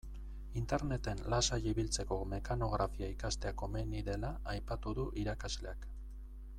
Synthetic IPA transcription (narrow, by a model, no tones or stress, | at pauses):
int̪e̞ɾne̞t̪e̞nlasajiβilt͡se̞ko̞me̞kano̞ɣ̞ɾafiaikast̪e̞ako̞meniðe̞laːjpat̪uðuʔiɾakazle̞ak